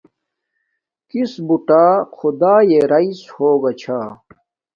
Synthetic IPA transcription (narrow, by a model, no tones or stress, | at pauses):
kisbuʈaːkʰud̪aːjeɾɐishoːɡɐt͡ɕʰaː